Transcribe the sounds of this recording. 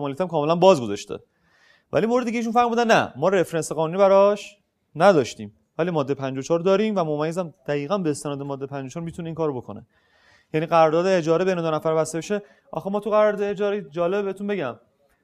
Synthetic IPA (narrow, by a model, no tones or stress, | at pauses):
mɒːlijæt̪æmkʰɒːmelænbɒːzɡo̞zɒ̰ʃt̪ʰḛ | væ̰limoɾed̪icʰʲeiʃunfæɾmuːd̪ænːæ̰mɒːɾe̞fɾenseɣɒːnuniːbæɾɒʃ | næd̪ɒːʃt̪iːm | væliːmɒːd̪ːepʰænd͡ʒot͡ʃʰɒːɾd̪ɒːɾiːmvæmomæjezæmd̪̥æiːɣænbeːst̪e̞nɒːd̪e̞mɒːd̪ːepʰænd͡ʒot͡ʃɒːɾmiːt̪ʰuneiːŋkʰɒːɾobo̞kʰonḛ | jæniːɣæɾɔːɾd̪ɒːd̪eed͡ʒɒːɾebe̞jned̪onæfæɾbæst̪e̞beʃe | ʔɒ̰xemɒːt̪ʰuɣæɾɔɾd̪ɔeed͡ʒɒːɾed͡ʒɒːlebehet̪unbe̞ɟæm